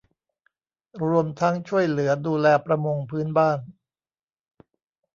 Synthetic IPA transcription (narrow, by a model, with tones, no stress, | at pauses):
ɾu˧əmt̪ʰa˦˥ŋt͡ɕʰu˥˩əjlɯ˩˦ɐduː˧lɛː˧pɾa˧mo˧ŋpʰɯː˦˥nbaː˥˩n